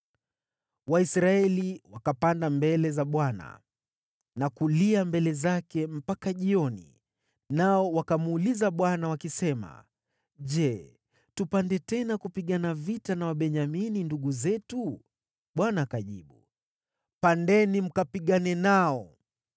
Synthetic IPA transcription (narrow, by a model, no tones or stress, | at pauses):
waisɾaɛliwakapandambɛlɛzaɓwana̰ | nakuliambɛlɛzakɛm̩pakaʄiɔnḭ | naɔwakamuːlizaɓwanawakisɛma̰ | ʄɛ | tupandɛtɛnakupiɠanavitanawaɓɛɲamininduɠuzɛtu | ɓwanaːkaʄiɓu | pandɛnim̩kapiɠanɛnaɔ